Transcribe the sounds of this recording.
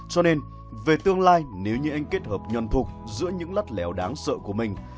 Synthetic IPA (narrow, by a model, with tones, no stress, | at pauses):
t͡ɕɔ˧ne˧n | ve˨˩t̪ɨ˧əŋlaː˧jne˨˦wɲɨ˧ʔa˧jŋ̟ke˦˥t̚həː˨˩p̚ɲə˨˩nt̪ʰʊ˨˩k͡p̚zɨ̰˧˥əɲɨ̰˧˥ŋlə˦˥t̚lɛ˨˩wɗaː˨˦ŋsə̰ː˧˨ku˧˩əmï˨˩ŋ̟